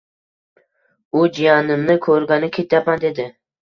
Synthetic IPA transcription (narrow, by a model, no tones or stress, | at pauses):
ʊd͡ʒijanɪmnɪkʰɵɾɡʲanɪkʲʰet̪ʰjapand̪e̞d̪ɪ